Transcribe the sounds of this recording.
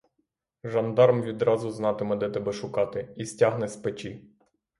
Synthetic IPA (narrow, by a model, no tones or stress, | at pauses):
ʒɐnd̪ɑɾmʋʲid̪ɾɑzʊznɑt̪ɪmɛd̪ɛt̪ɛbɛʃʊkɑt̪ɪisʲtʲɑɦnɛspet͡ʃi